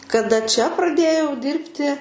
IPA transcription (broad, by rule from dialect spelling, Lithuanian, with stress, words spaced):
kɐˈdɐ t͡ʃʲɛ prɐˈdʲeːjɛʊ ˈdʲɪrʲpʲtʲɪ